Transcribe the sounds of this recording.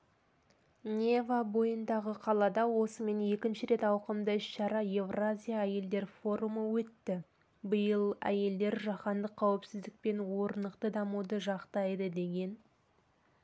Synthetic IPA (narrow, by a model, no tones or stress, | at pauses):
nʲevabo̞jənd̪ɑʁəqʰɑlˠɑd̪ɑwo̞səme̞nje̞kʲɪnʃɪɾe̞t̪ɑwqəmd̪əɪʃʃɑɾɑje̞vrazʲijaæje̞ld̪e̞ɾfo̞ɾuməwɵt̪ːɪ | bəjəlˠæ̰je̞ld̪e̞ɾʒɑqɑnd̪əqʰːɑwɪpsɪzd̪ɪk̚pe̞nwo̞ɾənəqt̪əd̪ɑmud̪əʒɑqt̪ɑjd̪əd̪e̞ɡʲe̞n